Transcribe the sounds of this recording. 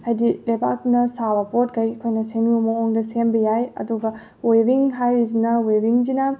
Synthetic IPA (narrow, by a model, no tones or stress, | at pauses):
hɐjdilɐjba̰k̚nɐsaβɐpot̚ɡɐjkʰojnɐsenumɐoŋdɐsembɐjajɐ̰duɡɐ | webiŋɦajɾizinɐwebiŋd͡ʒina